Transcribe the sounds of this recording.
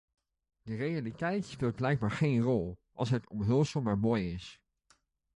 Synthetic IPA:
d̥ərejalitɛjtspeːlˠt̚blɛjɡ̚baːɹχejnrɔlˠʔɑlˠsɦətɔmɦølˠsəlˠmaːɹmoːjɪs

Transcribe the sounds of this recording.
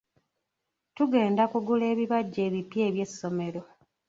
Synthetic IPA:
tuɡe̞ːndakuɡule̞ːβiβaɟːe̞ːβipje̞ːβje̞sːo̞me̞ɾo̞

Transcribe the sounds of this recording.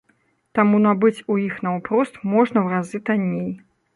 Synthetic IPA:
t̪amunɐbɨt͡sʲujixnɐwpɾɔst̪mɔʐnɐwrazɨt̪anʲej

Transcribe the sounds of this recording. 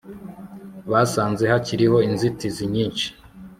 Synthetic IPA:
βasaːnze̞haciɾiho̞inzitiziɲiːnt͡ʃi̥

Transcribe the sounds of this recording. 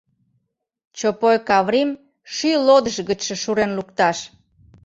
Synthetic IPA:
t͡ɕopojkɑβɾim | ʃylod̪əʃɣət͡ɕʃə̆ʃuɾenlukt̪ɑʃ

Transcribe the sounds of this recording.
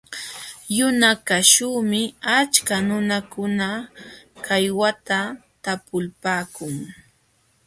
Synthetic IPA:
jʊnakaʃuːmɪat͡ʃkanʊnakʊna | kʰajwat̪at̪apʊlpaːkʊŋ

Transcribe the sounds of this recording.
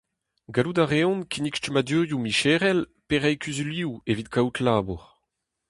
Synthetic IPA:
ɡaludaʁeɔ̃nkʰinikʃtəmadyːʁjumiʃɛːʁɛlpeʁɛjkyzyliuevit̚kawtʰlaːbuʁ

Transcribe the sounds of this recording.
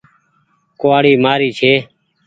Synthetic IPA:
koaːɽiːmaːɾiːt͡ʃʰeː

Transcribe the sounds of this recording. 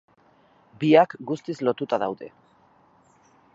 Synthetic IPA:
biakɡust̪izlo̞t̪ut̪aðawðe̞̰

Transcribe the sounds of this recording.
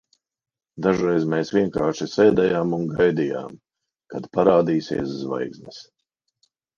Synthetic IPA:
d̪aʒɾɛjzmeːsʋʲiɛŋkaːʃisɛːd̪ɛjaːmunɡajd̪ija̰ːm | kad̪paɾaːd̪iːsiɛs̬zva̰jɡznɛs

